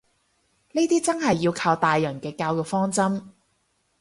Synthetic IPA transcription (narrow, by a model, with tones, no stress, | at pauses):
neː˥t̪iː˥t͡sɐ˥nɦɐ˨˩jːiː˧wkʰaː˧wt̪aː˨jːœː˨˩ŋkɛː˧kaː˧wjʊ˨˩k̚fɔː˥ŋt͡sɐ˥m